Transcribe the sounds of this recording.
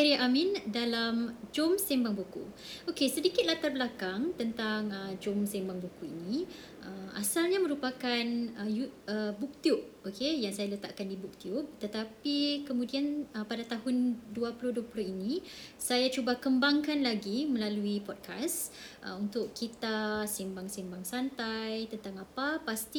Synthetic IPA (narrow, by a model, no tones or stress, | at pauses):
aɾiʔamĩndalamd͡ʒomsimbaŋbukṵ | ʔokesədikɪt̪̚lat̪arbəlakaŋt̪ənt̪aŋəd͡ʒomsɛmbaŋbukuḭni | ʔəmasalɲamə̃ɾupakanəjuəbuk̚t̪jub̚ | okejaŋsajalət̪a̰ʔkandibuk̚t̪jub̚t̪ət̪apikəmũdianəpadat̪aɦʊnduapulʊhduapulʊhinisajat͡ʃubakəmbaŋkanlaɡiməlaluipɔd̚kʰasʔə̰unt̪ʊʔkːit̪asimbaŋsimbaŋsant̪ajt̪ənt̪aŋapapast̪i